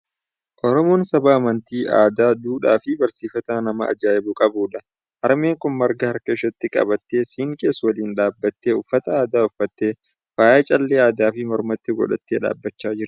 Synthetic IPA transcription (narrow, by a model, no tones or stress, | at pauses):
ʔɔɾɔmoːnsɐbaːmɐnt̪iːʔa̰ːd̪aːd̪uːᶑaːfɪbɐɾsiːfɐt̪aːnɐmɐʔɐ̰d͡ʒaːjɛbʊkʼɐbuːᶑɐ | ʔɐɾme̞ːŋkʊnmɐɾɡɐhɐɾkɐɪʃɐt̪ːɪkʼɐ̰bɐt̪ːe̞ːsiːŋkʼe̞ːsːwɐliːnᶑaːbːɐt̪ːeːʊfːɐt̪ɐaːd̪aːʊfːɐt̪ːe̞ː | faːjɐt͡ʃʼɐlːeaːd̪aːfɪmɔɾmɐt̪ːɪɡɔ̰ᶑɐt̪ːeːᶑa̰ːbːɐt͡ʃːaːd͡ʒɪɾ